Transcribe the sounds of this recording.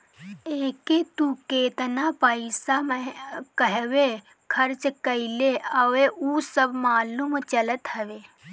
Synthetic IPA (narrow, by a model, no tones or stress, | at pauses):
eːket̪ukeːt̪napəɪsamkəɦwe | kʰɐɾt͡ʃkɐɪleəʋeusəbmaːlumt͡ʃɐlət̪ɦɐʋeː